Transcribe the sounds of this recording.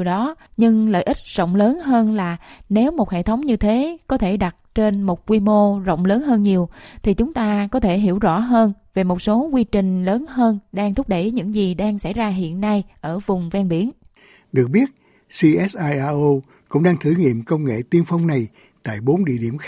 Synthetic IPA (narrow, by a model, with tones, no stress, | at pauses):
wɗɔ˨˦ɲɨ˧ŋlə̰ː˧˨jʔï˦˥t̟̚zo̰˧˨wŋ͡mləː˨˦nɦəː˧nlaː˨˩ne˨˦wmo˨˩t̚hḛ˧˨t̪ʰə˨˦wŋ͡mɲɨ˧t̪ʰe˨˦kɔ˨˦t̪ʰe˧˩ɗa˨˩t̚t͡ɕe˧nmo˨˩t̚kwi˧mo˧zə̰˧˨wŋ͡mləː˨˦nɦəː˧nɲi˨˩əwt̪ʰi˨˩t͡ɕʊ˨˦ŋ͡mt̪aː˧kɔ˨˦t̪ʰe˧˩ɦi˧˩əwzɔ̰˧˥ɦəː˧nve˨˩mo˨˩t̚so˨˦kwi˧t͡ɕï˨˩ŋ̟ləː˨˦nhəː˧nɗaː˧ŋt̪ʰʊ˦˥k͡p̚ɗə˧˩jɲɨ̰˧˥ŋzi˨˩ɗaː˧ŋsa˧˩jzaː˧ɦḭ˧˨ənːa˧jʔəː˧˩vʊ˨˩ŋ͡mvɛ˧nɓi˨˦ən | ɗɨ˨˩ək̚ɓi˦˥ət̚ | si˧ʔɛ˦˥sʔaː˧jʔaː˧ʔo˧ | kʊ̰˧˥ŋ͡mɗaː˧ŋt̪ʰɨ˧˩ŋḭ˧˨əmkə˧wŋḛ˧˨t̪i˧ənfa˧wŋ͡mna˨˩j | t̪a̰ː˧˨jɓo˨˦nɗḭ˧˨ɗi˧˩əm